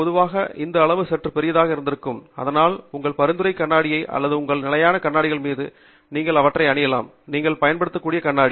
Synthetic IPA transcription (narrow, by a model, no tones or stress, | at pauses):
pɔðɯʋaːɣɐʔɪnd̪ɐːɭɐʋɯsɛʈrɯpɛɾɪjɐðaːɣɐɪɾɯnd̪ɪɾɯkːɯmɐ̰ðɐnaːlʊŋɡɐɭpɐɾɯnd̪ɯɾɐɪkːɐɳːaːɽɪjɐɪʔɐ̰lːɐðɯʊŋɡɐɭnɪlɐjaːnɐkɐɳːaːɽɪɣɐɭmiːðɯ | niːŋɡɐɭɐʋɐʈːrɐɪɐɳɪjɐla̰ːm | niːŋɡɐɭpɐjɐnpɐɽɯt̪ːɯkːuːɽɪjɐkɐɳːaːɽi